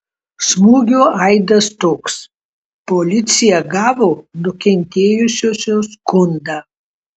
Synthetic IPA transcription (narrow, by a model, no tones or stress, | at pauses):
smuːɡʲoːɐɪd̪ɐst̪oːks | polʲɪt̪sʲɪjɛɡɑːʋoːnʊkʲɛnʲt̪ʲeːjʊsʲoːsʲoːskʊnd̪a